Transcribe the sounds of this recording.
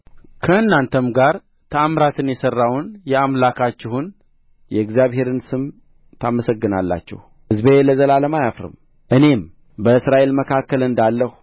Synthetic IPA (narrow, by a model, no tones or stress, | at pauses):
kʰəɨnːant̪ʰəmɡaɾ | t̪ʰəamɾat̪ʰɨnjɛsərːawnjɛamlakʰat͡ʃːɛhun | jɛɡzijaβhe̞ɾɨnsɨm | t̪ʰaməsəɡːɨna̰lːa̰t͡ʃːɛ̰h | ɨzbeləzəlaləmajafɾɨ̰m | ʔɨne̞m | bəɨsɾaʔe̞lməkʰakːəlɨnd̪alːəhu̥